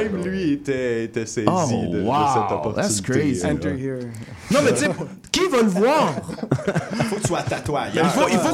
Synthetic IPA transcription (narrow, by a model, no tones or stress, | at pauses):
ɛmlɥiet̪ɛet̪ɛsɛozid̪əwaəsɛt̪ɔ̃pɔʁðætskɹteiɛ̃nəhiɹ | nɔ̃mɛse | kʲivaləvwaːʁifokkt̪y̥swat̪at̪wajɛilfoʔilfo